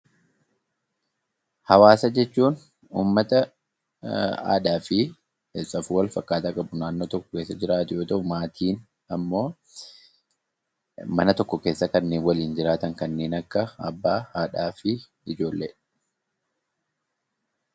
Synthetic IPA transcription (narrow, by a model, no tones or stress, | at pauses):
hɐwaːsɐd͡ʒɛt͡ʃːuːn | ṵːmːɐt̪ɐ | a̰ːᶑaːfɪ | esɐfuwɐlfɐkːaːt̪aːkʼɐbʊnaːnːoːt̪ɔkːɔ̥ke̞ːsːɐd͡ʒɪɾaːt̪ʊjo̞ːt̪ɐʔʊmaːt̪ʰiːn | ɐmːo̞ː | mɐnɐt̪ɔkːɔke̞ːsːɐkɐnːe̞ːnwɐliːnd͡ʒɪɾaːt̪ɐŋkɐnːe̞ːnɐkːɐɐbːaːaːᶑaːfɪ | ɪd͡ʒo̞ːlːḛːᶑɐ̥